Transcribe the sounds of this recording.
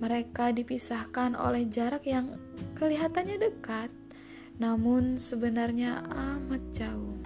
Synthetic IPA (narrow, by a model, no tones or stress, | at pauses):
məɾekadipisahkanʔo̰lɛhd͡ʒaɾakjaŋkəliɦat̪anɲadəkat̪̚ | namʊnsəbənarɲaamat̪̚d͡ʒaʊh